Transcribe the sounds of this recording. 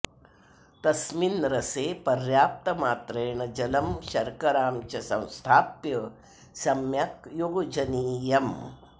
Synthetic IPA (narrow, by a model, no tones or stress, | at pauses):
t̪ɐsminɾɐseːpɐɾjaːp̚t̪ɐmaːt̪ɾeːɳɐd͡ʒɐlɐmʃɐɾkɐɾaːmt͡ʃɐsɐ̰̃w̃st̪ʰaːpjɐ | sɐmjɐkjoːɡd͡ʒɐniːjɐm